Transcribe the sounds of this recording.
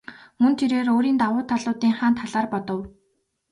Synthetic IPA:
mɵnt̪ʰeɾeːroːɾiːnt̪awʊːt̪ʰaɮʊːt̪iːŋχaːnt̪ʰːaɮaːrpɔt̪ɞ̆w

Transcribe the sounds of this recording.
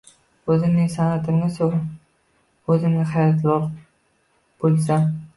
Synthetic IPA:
ɵzɪmnɪŋsanat̪ʰɪmnɪso | ɵzɪmnɪhajɒt̪ʰlˠɒq | b̥olˠsa

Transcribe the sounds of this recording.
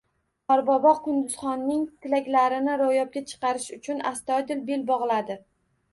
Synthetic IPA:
ɒɾbɒbɒqʰʊnd̪ʊz̥χɒnːɪŋt̪ʰɪlakʲlaɾɪnɪɾojɒp̚ɡʲat͡ʃʰɨ̥qɑɾɪʃʊt͡ʃʰʊnast̪ɒjd̪ɪlbelbɒʁlˠad̪ɪ

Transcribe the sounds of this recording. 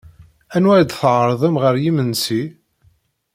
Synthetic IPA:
ænwæɾd̪θʕɾˤðˤæmʁəɾjimənsi

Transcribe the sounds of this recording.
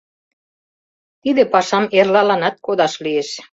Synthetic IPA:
t̪id̪ĕpɑʃɑmerlɑlɑnɑt̪̚kod̪ɑʃlieʃ

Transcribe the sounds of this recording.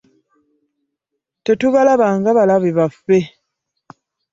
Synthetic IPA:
tetuβalaβaŋɡaβalaβiβafːe

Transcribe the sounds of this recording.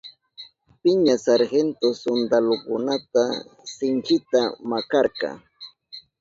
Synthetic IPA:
pɪɲasaɾhent̪osond̪alokʊnat̪asɪŋhɪt̪amakɑɾkɑ̰

